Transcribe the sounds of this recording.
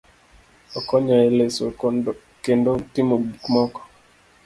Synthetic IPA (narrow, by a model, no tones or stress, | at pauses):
ɔkɔɲaeleso | kendotimoɡmɔkɔ̥